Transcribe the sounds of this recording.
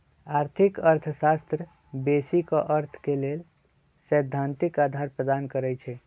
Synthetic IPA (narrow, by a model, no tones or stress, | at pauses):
aɾt̪ʰikəɾt̪ʰəsast̪ɾə | besikɔʔəɾt̪ʰkelel | səjd̪ʱːant̪ikad̪ʱaɾpɾəd̪ankəɾɛjt͡ʃʰɛ